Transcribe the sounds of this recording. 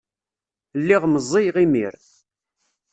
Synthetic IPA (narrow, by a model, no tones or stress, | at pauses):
lːiʁməzˤːijʁimḭɾ